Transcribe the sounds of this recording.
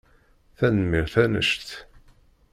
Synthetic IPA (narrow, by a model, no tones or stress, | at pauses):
θænəmiɾθænə̰ʃt̪